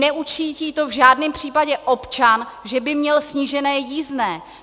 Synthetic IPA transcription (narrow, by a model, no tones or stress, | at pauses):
ɛʔut͡ʃiːciːt̪o̞vʒaːdnɛmpr̝̥iːpaɟɛʔo̞pt͡ʃanʒɛbɪmɲɛlsɲiʒɛnɛːjiːznɛː